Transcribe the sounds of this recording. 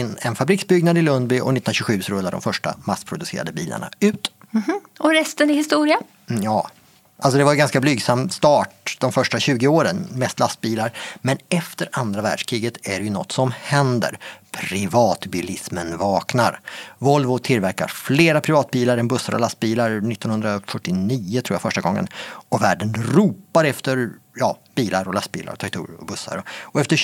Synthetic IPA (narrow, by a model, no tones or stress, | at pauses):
ɪnːɛnfabɾiːksbʏɡnad̪ɪlɵnd̪bʏʔɔ̰nɪnaɕɵɧʉ̟ːsɾɵlːaɖɔ̰mfœʂʈa̰maspʰɾʊd̪ɵseːɾa̰d̪əbiːla̰ɳa̰ʉ̟ːt̪ | ɔɾɛst̪ənɪhɪst̪uːɾɪa | jɑː | ʔalsɔd̪ɛvaɾjʏɡanskablyːɡsamːst̪ɑːʈ̚d̪̥ɔmfœʂʈaɕʉ̟ːɡɪoːɾənmɛst̪last̪̚biːlaɾmɛnɛft̪əɾand̪ɾavæ̰ːɖʂkʰɾiːɡət̪æɖɛjɵnɔ̰t̪ːsɔmhɛnd̪ə̰ɾpʰɾɪvɑːt̪bilɪsmənvɑːknaɾvɔlvʊt̪ʰɪlvæɾka̰ɾfleːɾapʰɾɪvɑːt̪̚biːlaɾɛnbɵsːa̰ɾɔ̰last̪̚biːlaɾnɪt̪ːɔnhɵnd̪ɾafœʈːɪniːʊt̪ʰɾuːjafœʂʈaɡɔŋːə̰nɔvæːɖənɾuːpaɾɛft̪əɾjɑ̰ːb̥iːlaɾɔlast̪̚bḭla̰ɾɔt̪ʰaɡ̚t̪ʰṵːɾɔ̰bɵsːa̰ɾɔɔɛft̪ə